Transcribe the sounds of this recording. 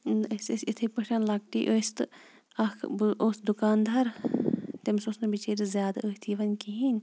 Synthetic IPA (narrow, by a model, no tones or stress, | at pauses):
nssit̪ʰɨpɐʃɐnlɐk̚ʈḭːʔoːst̪ɨ | ɐkʰbʔoːsd̪ukaːnd̪ɐɾt̪emsosnɐbit͡ʃeːɾizʲjaːd̪aəːht̪ʰiːʋɐnʲkiɦinʲ